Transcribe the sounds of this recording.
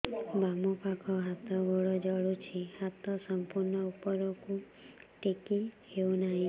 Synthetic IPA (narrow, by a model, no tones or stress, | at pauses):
bamɔpakʰɔɦat̪ɔbɔɭɔd͡ʒɔɭut͡ʃʰihat̪ɔsɔmpuɾnɔupɔɾɔku | ʈekihewnaɦĩ